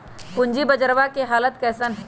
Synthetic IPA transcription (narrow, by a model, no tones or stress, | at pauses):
kʊɲd͡ʒibəd͡ʒəɾʋakeɦaːlət̪kɛːsən